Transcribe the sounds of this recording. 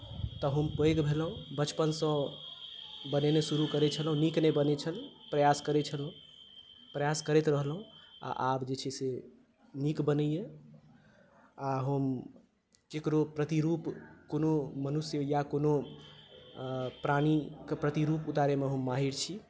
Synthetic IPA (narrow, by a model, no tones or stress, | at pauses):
t̪əɦəmpəjɡbʱelɦũbət͡ʃpənsə̃ | bənenesuɾukəɾet͡ʃʰəlɦũniknebənet͡ʃʰəlpɾəjaskəɾet͡ʃʰəlɦũ | pɾəjaskəɾet̪ɾəɦlɦũa̰ʔabd͡ʒet͡ʃʰɛse | nikbənɛje | aɦəm | kekɾopɾət̪iɾupkonomənusjəjakono | pɾanikepɾət̪iɾuput̪aɾemeɦəmːaɦiɾt͡ʃʰi